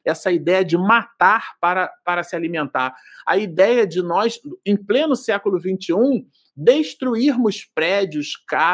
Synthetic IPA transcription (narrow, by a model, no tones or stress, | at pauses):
ɛsɐid̪ɛjɐd͡ʒɪmat̪aɾpaɾɐpaɾɐsɪalimẽnt̪aɾɐ̰id̪ɛjɐd͡ʒɪnɔsẽj̃plẽnʊsɛkulʊvĩnt͡ʃɪũ | d̪eʃt̪ɾuiɾmʊspɾɛd͡ʒiʊska